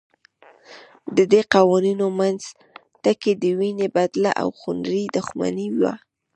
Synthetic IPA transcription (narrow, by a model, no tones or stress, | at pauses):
d̪əd̪eqɑwɑninomanz | t̪aked̪əwinebad̪la̰ʔa̰wxʊnɾid̪ʊxma̰niwa̰